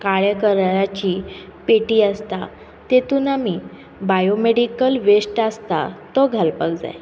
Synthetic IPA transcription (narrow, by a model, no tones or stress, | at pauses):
kaɭekəɾɾat͡ɕiːpeʈiːast̪a | t̪et̪uːnamiː | bajomeɽikəlʋesʈast̪at̪ɔɡʱalpəɡd͡za̰j